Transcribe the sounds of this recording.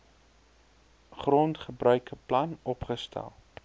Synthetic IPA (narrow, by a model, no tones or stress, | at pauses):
χrɔntχəbrœɥkəplɐnɔpχəstʰɛ̰lˠ